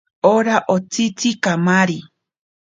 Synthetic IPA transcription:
oɾaʔot͡sit͡sikamaɾi

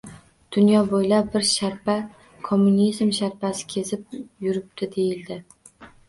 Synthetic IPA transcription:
d̪̥ʊnjɒbojlap̚ːɪɾʃaɾpʰa | kʰomːʊnizmʃaɾpʰasɪ̥kʲʰe̞zɪp̚jʊɾɪp̚t̪ʰɪd̪e̞jɪld̪ɪ

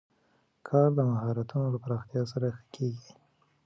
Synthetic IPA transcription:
kʰɑɾd̪əmaɦɑɾat̪unolapɾɑxt̪jɑs̬aɾaxə̥kʰeɡi

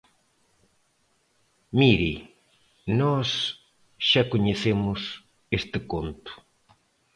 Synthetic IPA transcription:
miɾi | nɔs | ʃakoɲeθemʊs | est̪ɪkont̪ʊ̥

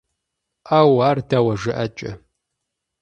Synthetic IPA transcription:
ʔaːwaːrdawɐʐɨʔɐt͡ʃʼɐ̰

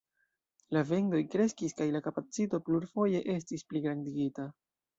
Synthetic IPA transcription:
lave̞ŋdo̞jkɾe̞skiskajlakapat͡sito̞pluɾfo̞je̞ʔe̞s̬tispliɡɾandiɡita

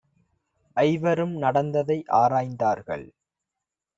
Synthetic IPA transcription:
ʔɐɪʋɐɾɯmnɐɽɐnd̪ɐðɐɪʔaːɾaːjnd̪aːɾɣɐ̰ɭ

